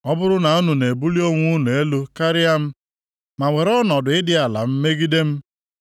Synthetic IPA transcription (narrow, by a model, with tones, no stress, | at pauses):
ɔ˦bʊ˦ɾʊ˦na˨ʊ˦nʊ˨ne˨bu˦li˦o˦ŋʷʊ˦nʊ˨e˦lo˦ka˦ɾɪ˦a˦m̩˦ | ma˨ŋʷe˨ɾɔ˦nɔ˨dʊ˨ɪ˦dɪ˦a˨la̰˨m̩˦me˦ɡi˦de˦m̩˦